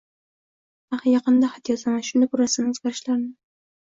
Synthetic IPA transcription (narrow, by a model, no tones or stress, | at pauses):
ahajɑqɨnd̪ahat̪jɒt̪lamaʃʊnd̪abʊɾasɪnɪʊz̥ɡʲaɾɪʃlaɾɪnɪ